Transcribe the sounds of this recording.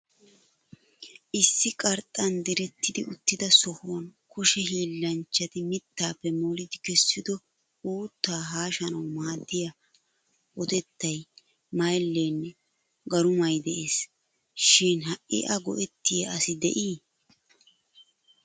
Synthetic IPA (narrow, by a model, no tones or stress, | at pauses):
ʔɪsːɪkʼɐɾt̪ʼːɐnd̪ɪɾɛt̪ːɪd̪ɪʊt̪ːɪd̪ɐsɔhʊwɐnkʊʃɛɦiːlːɐnt͡ʃːɐt̪ɪmɪt̪ːaːpːɛmuːlɪd̪ɪkɛsːɪd̪ɔ | uːt̪ːaːɦaːʃɐnɐwmaːd̪ːɪjɐ | ʔɔd̪ɛt̪ːɐj | mɐjlːeːnːɛ | ɡɐɾʊmɐjd̪ɛʔeːs | ʃɪnɦɐʔʔɪ̰ʔɐɡɔ̰ʔɛt̪ːɪjɐɐsɪd̪ɛ̰ʔiː